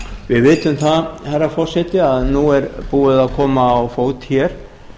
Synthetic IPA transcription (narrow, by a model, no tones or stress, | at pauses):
vɪðvɪːt̪ʏmθaðhɛrːafɔr̥sɛt̪ɪaðnuɛɾpuːɪðaðkʰɔːmaːwfoːwt̪çɛɾ̥